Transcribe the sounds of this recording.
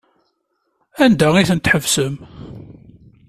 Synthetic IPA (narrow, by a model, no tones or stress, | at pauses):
ænd̪æiθənt̪ħəvsəm